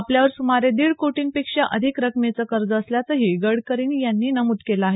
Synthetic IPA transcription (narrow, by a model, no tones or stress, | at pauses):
apljaʋəɾsumaɾed̪iːɽkoʈiːŋpekʂaʔəd̪ʱikɾəkmet͡səkəɾd͡zəːsljat͡səɦiːɡəɽkəɾiːnjanːiːnəmut̪kelaaɦe